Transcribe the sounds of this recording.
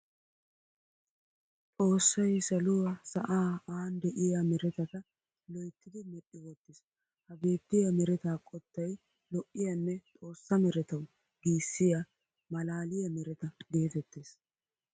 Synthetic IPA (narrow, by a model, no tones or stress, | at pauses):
t̪ʼo̞ːsːɐjsɐlʊwɐsɐʔaːaːnd̪ɛʔɪjamɛɾɛt̪ɐt̪ɐ | lɔjt̪ːɪd̪ɪmɛɗːɪwɔt̪ːɪs | hɐɡe̞ːt̪ːɪjɐmɛɾɛt̪aːkʼɔt̪ːɐj | lɔʔːɪjɐnːɛt̪ʼo̞ːsːɐmɛɾɛt̪ɐw | ɡiːsːɪja | mɐlaːlɪjɐmɛɾɛt̪ɐɡ̪e̞ːfɛt̪ːeːs